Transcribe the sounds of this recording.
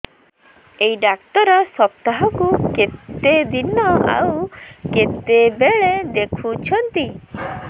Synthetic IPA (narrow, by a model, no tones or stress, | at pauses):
ejɖak̚t̪ɔɾɔsɔp̚t̪aɦɔkuket̪ed̪inɔa̰wket̪ebeɭed̪ekʰut͡ʃʰɔnt̪i